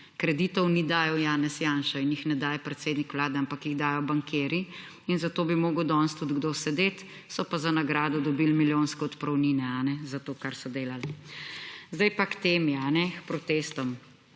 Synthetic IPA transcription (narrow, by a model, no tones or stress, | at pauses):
kɾɛd̪iːt̪ɔwnid̪aːjɔwjaːnɛsjaːnʃainjixnɛd̪aːjɛpɾɛt̪seːd̪nikʋlaːd̪ɛampakjiɣd̪aːjɔbaŋkʰeːɾi | inzat̪oːbimoːɡəwd̪ɔnst̪ud̪ɡd̪oːsɛd̪eːt̪ | sɔpazanaɡɾaːd̪ɔd̪ɔbiːlmiljoːnskɛɔt̪pɾɔwniːnɛanɛzat̪oːkaɾsɔd̪eːlal | zd̪ajpakt̪eːmjɛanɛxpɾɔt̪eːst̪ɔm